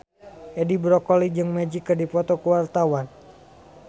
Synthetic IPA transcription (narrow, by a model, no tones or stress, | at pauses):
ʔɛdibɾɔkɔlid͡ʒɨŋmɛd͡ʒikɨrdipɔt̪ɔkuwart̪awan